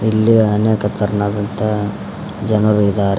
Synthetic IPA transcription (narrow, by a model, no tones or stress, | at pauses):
ilːiɐneːkɐt̪ɐɾɐnaːd̪ɐnt̪ɐ | d͡ʒɐnɐɾuid̪aːɾe